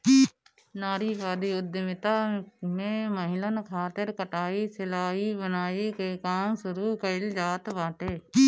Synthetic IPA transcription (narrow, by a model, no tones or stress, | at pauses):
naːɾiːpaːd̪iːʊd̪ːəmɪt̪amẽməɦɪlənkʰaːt̪ɪɾkəʈaːisɪlaːɦibənaːikekaːmsʊɾuːkəɪld͡ʒaːt̪baːʈeː